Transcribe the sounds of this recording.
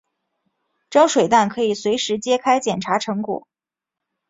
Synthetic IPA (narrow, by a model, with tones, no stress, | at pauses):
ʈ͡ʂɑ˥ʊʂwe˨˩ɪt̪a˥˩nkʰɤ˧˥i˨˩swe˧˥ɪʂɻ̩˧˥t͡ɕjɛ˥kʰa˥ɪt͡ɕjɛ˨˩nʈ͡ʂʰa˧˥ʈ͡ʂʰɤ˧˥ŋkwɔ̰˨˩˦